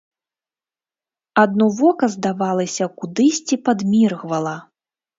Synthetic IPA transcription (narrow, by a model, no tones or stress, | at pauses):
ad̪̚nuvɔkɐzd̪avalˠɐsʲɐkud̪ɨsʲt͡sʲipad̪mʲirɣvɐlˠɐ